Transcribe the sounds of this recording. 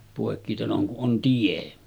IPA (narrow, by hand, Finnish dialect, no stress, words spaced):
poˑekːiteloŋ kuʔ ʔon tie